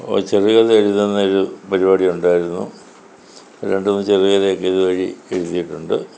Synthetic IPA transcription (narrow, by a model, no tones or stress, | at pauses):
o̰t͡ɕeriɣɐðeeɻuðenːɐoɾupɐɾibaːɽiuɳɖaːjiɾunːṵ | ɾe̞ɳɖunːɨt͡ɕeriɣɐðejo̞kːeiðɨʋɐɻḭe̞ɻuðːijiʈːuɳɖɨ